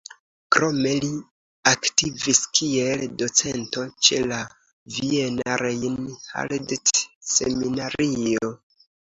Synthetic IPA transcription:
kɾo̞me̞li | aktiviskie̞ldo̞t͡se̞nto̞t͡ʃe̞̰la | vienaɾejnha̰ldtse̞minaɾio̞

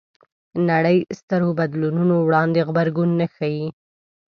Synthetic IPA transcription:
naɽəjst̪əɾobad̪lununowɽɑnd̪eɣbaɾɡunːaxaji

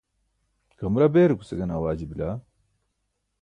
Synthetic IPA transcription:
kɐmɾabeːɾuku̥sɐɡɐnawaːd͡ʑibila

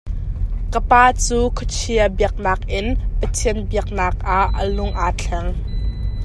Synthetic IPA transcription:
kəpaːt͡suːkʰɔt͡ʃʰiəbiək̚naːk̚ʔɪnpət̪ʰiənbiək̚naːk̚ʔaʔːəlʊŋʔaːt͡ɬʰɛŋ

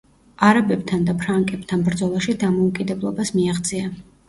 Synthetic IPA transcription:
aɾabɛbt̪ʰand̪apʰɾaŋkʼɛbt̪ʰanbɾd̪zɔlˠaʃid̪amɔukʼid̪ɛblˠɔbasmiaʁd̪zʼia

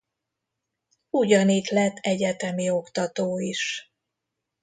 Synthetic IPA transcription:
uɟɒnit̪lɛt̪ːɛɟɛt̪ɛmio̞kt̪ɒt̪oːiʃ

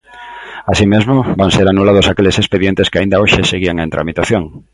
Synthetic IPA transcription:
asimezmobaŋseɾanulaðʊsakelesespeðjent̪eskɪaind̪aoʃeseɣiaŋent̪ɾa̰mit̪aθjoŋ

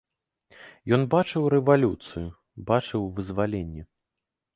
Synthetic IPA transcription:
jɔnbat͡ʂɨwɾɛvalʲut̪sɨju | bat͡ʂɨwvɨzvalʲenʲːɛ

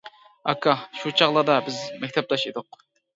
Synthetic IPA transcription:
ɑ̰kʰɑʃut͡ʃʰɑʁlˠɑd̪ɑbɪzmɛk̚ʲt̪ʰɛp̚lˠɑʃed̪ʊq

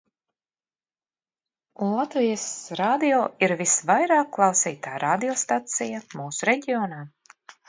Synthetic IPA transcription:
unlˠat̪vijəsɾaːd̪ijoːiɾvisvajɾaːkːlˠawsḭːt̪aːɾaːd̪ijɔst̪at̪sijamuːsuɾɛɟʲioːnaː

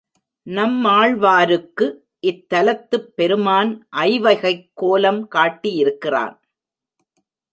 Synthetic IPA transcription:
nɐmːaːɭʋaːɾɯkːɯ | ʔɪt̪ːɐlɐt̪ːɯpːɛɾɯmaːnʔɐɪʋɐɪɣɐɪkːoːlɐmkaːʈːijɪɾɯkːɪra̰ːn

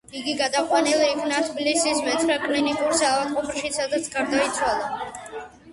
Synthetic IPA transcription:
iɡiɡad̪aqʼwanɛliːkʰnat̪ʰblisismɛt̪ʰɾakʼlinikʼuɾsavalqʼɔpʰɾʃisad̪at̪sʰɡaɾd̪ait̪sʰwalˠa

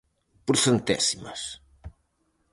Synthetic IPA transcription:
puɾθent̪ɛ̰simɐ̰s

